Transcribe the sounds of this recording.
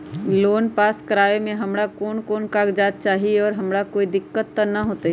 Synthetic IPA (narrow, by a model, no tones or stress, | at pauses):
loːnpaːskəɾaːʋemẽɦɐmɽakoːnkoːnkaːɡd͡ʒaːt̪̚t͡ʃaːɦieɔːɾɦɐmɽakoːid̪ɪkːət̪ːɐnɐɦoːt̪e